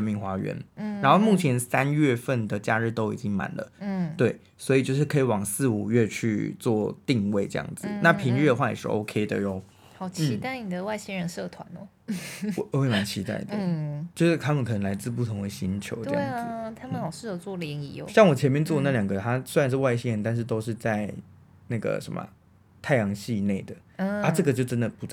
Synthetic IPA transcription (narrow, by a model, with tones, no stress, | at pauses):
ə˧nmi˥˩ŋxwa˥ɥɛ̰˧˦˥na˧˥nxo˥˧ʊmu˥˩t͡ɕʰjɛ˧˦nsa˦nɥɛ˥˧fə˥˩nd̪ə˩t͡ɕja˥˧ɻɻ̩˥˧t̪o˥ʊḭ˨˩t͡ɕi˦˥ŋma̰˨˩˦nlə̰˦˥t̪we˥˩ɪ | swɔ˧˥i˨˩t͡ɕjo˥˧ʂɻ̩˥˩kʰɤ˧˥i˨˩wɑ˨˩ŋsɹ̩˥˩u˨˩ɥɛ˥˧t͡ɕʰy̰˥˧t͡swɔ˥˧t̪i˥˧ŋwe˥˧ɪʈ͡ʂɤ˥˧jɑ̰˥˩ŋd͡z̩˨˩na˥˩pʰi˧˥ŋɥɛ˥˩də˨˩xwa˥˩j̰ḭ˨˩ʂɻ̩˥˩ʔo̰˧˥ʊkʰe˥ɪd̪ə̰˨jo˥˩ʊ | xɑ˨˩ʊt͡ɕn̩ʰ˥i˧˥t̪a˥˩ɪni˨˩d̪ə˩wa˥˧ɪɕi˥nɻə˧˦nʂɤ˥˧t̪ʰwa˧˦nɔ˧˦ | wwe˥˩ɪma˧˥nt͡ɕʰi˧˥t̪a̰˥˩ɪd̪ə˩˥˩t͡ɕjo˥˧ʊʂɻ̩˥˩t̪ʰa˦˥mə˨nkʰə˨˩nə˧˦ŋla˧˥ɪt͡sɹ̩˥˧p̬u˥˩t̪ʰo˧˥ŋd̪ə˧ɕi˥nt͡ɕʰjo̰˧˥ʊʈ͡ʂəɤ̰˥˧ɑ̰˥˧˥ɪ˩ŋd͡z̩˩t̪ʰa˥mə˨nxɑ˨˩ʊʂɻ̩˥˩jo˨˩t͡swɔ˥˩ljɛ˧˥ŋi˧˩j̰ɕjɑ˥˩ŋwɔ˨˩t͡ɕʰjɛ˧˥nmjɛ˥˧nt͡swɔ˥˨ə˦na˥˩ljɑ˨˩ŋɡə˨t̪ʰa˦˥swe˥ɻa˧nʂ̬ɻ̩˥˧wa˥˩ɪɕi˥nɻə˧˦nt̪a˥˧nʂ̬̩˥˩t̪o˥ʊʂ̬ɻ̩˥˧t͡sa˥˧ɪ | na˥˩ɡə̰˩ʂə̰˧˦˥mə̰˩ | t̪ʰa˥˩ɪjɑ˧˥ŋɕi˥˧ne˥˩ɪd̪ə˩a˥ʈ͡ʂɤ˥˩ɡə˩t͡ɕjo˥˩ʊʈ͡ʂə˦nd̪ə˨pu˨˥t͡s